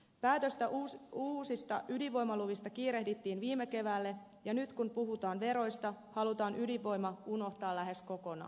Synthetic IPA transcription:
pæːt̪ø̞st̪æuuːsist̪ɑʔyliʋo̞jmɑluʋist̪ɑkiːɾe̞ɦdit̪ːiːnʋiːmeke̞ʋælːe̞ | jɑnyt̪kunpuɦut̪ɑːnʋe̞ɾo̞jst̪ɑhɑlut̪ɑːnʔyliʋo̞jmɑuno̞ht̪ɑːlːæɦe̞sko̞ko̞nɑ̰ː

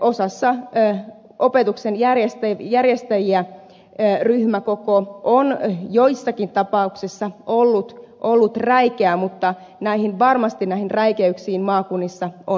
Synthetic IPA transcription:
ʔosɑsːɑ | opet̪uksenjærjest̪æjærjest̪æjiæ | ryhmækokoʔonjoisːɑkint̪ɑpɑuksisːɑolːut̪ʔolːut̪ræikeæmut̪ːɑ | næihinʋɑrmɑst̪innæihinræikeyksiːnmɑːkunːisːɑon

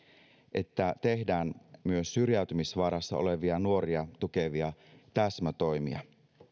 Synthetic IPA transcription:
ʔe̞t̪ːæt̪e̞hdæːnmyøsːyrjæyt̪ymisʋɑɾɑsːɑ̰o̞̰le̞ʋiɑnuo̞ɾiɑt̪uke̞ʋiɑt̪æsmæt̪o̞jmḭɑ̰

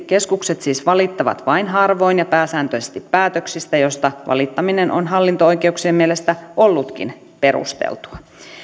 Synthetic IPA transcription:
ke̞skukse̞t̪siːsʋɑlit̪ːɑʋɑ̰t̪ʋɑinɦɑrʋo̞jnjɑpæːsæːnt̪øsest̪ipːæːt̪øksist̪æjo̞st̪ɑʋɑ̰lit̪ːɑmine̞nʔo̞̰nɦɑlːint̪oojke̞uksieːmmielest̪æʔo̞lːut̪kḭn | pe̞ɾṵst̪ḛlt̪u̥ɑ

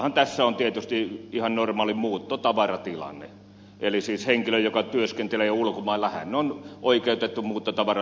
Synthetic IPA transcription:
hɑnt̪æsːæont̪iet̪yst̪iihɑnnormɑːlimuːt̪ːot̪ɑʋɑrɑt̪ilɑ̰nːḛ | ʔelisiːsheŋkiløjjokɑt̪yøskent̪eleulkomɑˑilːɑhæ̰nnonʔoikeˑut̪et̪ːumuːt̪ːot̪ɑʋɑrɑ

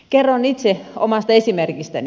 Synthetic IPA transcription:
kerːonit̪seo̰mɑst̪ɑesimerkist̪æ̰n

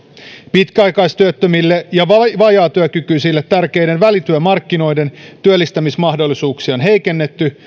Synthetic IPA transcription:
pit̪kæɑjkɑjst̪yøt̪ːømilːejɑʋɑʋɑjɑːt̪yøkykyjsilːet̪t̪ːærke̞jdenʋælit̪yømɑrkːino̞jde̞nt̪yølːist̪æmismɑhdo̞lːisuːksiɑonɦe̞jke̞nːe̞t̪ːy

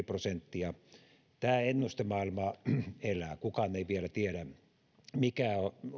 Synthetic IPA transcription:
prosent̪ːiɑ | t̪æːenːust̪emɑˑilmɑelæːˑkukɑnːeiʋielæt̪ieɾæ | mikæo

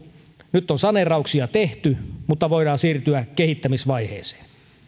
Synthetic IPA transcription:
nyt̪ːonsɑnerɑuksiɑt̪eht̪ymut̪ːɑʋoidɑːnsiːrt̪yækehit̪ːæmisʋɑihḛːse̥ːn

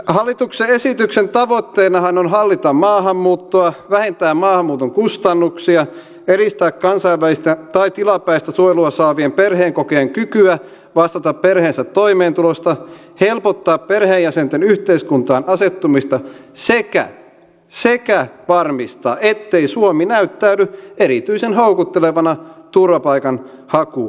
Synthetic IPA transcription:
hɑlːit̪ukseesit̪yksent̪ɑʋot̪ːeːnɑhɑnonɦɑlːit̪ɑmmɑːɦɑmːuːt̪ːoɑʋæhent̪æːmmːɑːhɑmːuːt̪oŋkust̪ɑnːuksiɑ | eɾist̪æːkkɑnsɑiʋʋælist̪æt̪ɑit̪ilɑpæist̪æsuojluɑsɑːʋiemperɦeːŋkokeːŋkykyæ | ʋɑst̪ɑt̪ɑpperheːnsæt̪ːoimeːnt̪ulost̪ɑ | helpot̪ːɑːpperheːjæsent̪enyht̪eiskunt̪ɑːnɑset̪ːumist̪ɑsekæ̰ | sekæʋɑrmist̪ɑ̰ːʔet̪ːeisuominæyt̪ːæynyeɾit̪yisenɦoukut̪ːeleʋɑnɑt̪urʋɑpɑikɑn | hɑku

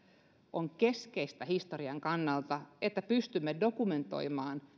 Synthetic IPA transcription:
ʔoŋke̞skeist̪æhist̪oriɑŋkɑnːɑlt̪ɑet̪ːæpyst̪ymːedo̞kument̪o̞̰imɑːn

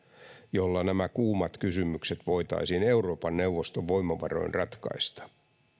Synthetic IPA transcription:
jolːɑnæmækuːmɑt̪kysymykset̪ʋo̞it̪ɑ̰isiːne̞uro̞ːpɑnːewʋːost̪oʋʋoimːɑʋɑro̞̰inrɑt̪kɑ̰ist̪ɑ̥

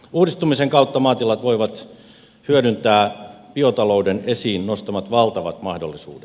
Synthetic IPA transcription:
uːdist̪umiseŋkɑut̪ːɑmɑːt̪ilɑt̪ʋoiʋɑt̪ | hyødynt̪æːpiot̪ɑloudenesiːnnost̪ɑmɑt̪ʋɑlt̪ɑʋɑt̪mɑhdolːisṵːdet̪

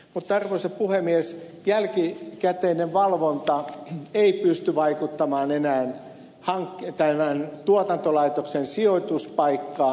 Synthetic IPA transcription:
mut̪ːɑrʋoiseppuhemːies | jælkikæt̪eːneʋʋɑlʋont̪ɑeipyst̪yʋɑikut̪ːɑmɑːnenæːn | hɑŋkːt̪æmænt̪uot̪ɑnt̪olɑit̪oksensiot̪uspɑikːɑː

